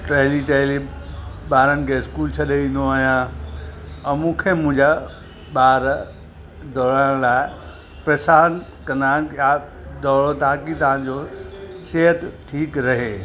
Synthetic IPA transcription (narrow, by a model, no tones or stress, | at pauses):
ʈɾeːliʈeːɦliɓaːɾəñɪ̆kʰeɪskuːlt͡ɕʰɐɗeʋĩːn̆d̪oaːɦijã | mũːkʰemʊ̃ɦɪ̃ɲd͡ʑa | ɓaːɾ | d̪ɔːɾaɽ̃laːɪ | pɾɐsaːnkɐ̃nd̪aːnja | d̪ɔːɽot̪aːkit̪ɐãnd͡ʑoseːɦət̪ʈʰiːkɾɐɦeː